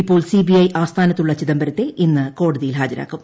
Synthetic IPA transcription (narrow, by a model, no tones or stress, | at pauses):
ipːo̞ːɭsibiɐjʔaːst̪ʰaːnɐt̪ːuɭːɐt͡ɕiðɐmbɐɾɐt̪ːe̞ʔinːɨko̞ːɽuðijilɦaːd͡ʑɐɾa̰ːkːum